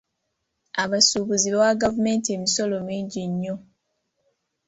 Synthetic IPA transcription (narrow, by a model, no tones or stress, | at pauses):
aβasuːβuziβawaɡavume̞ːntie̞miso̞lo̞miːɲɟiɲːo̞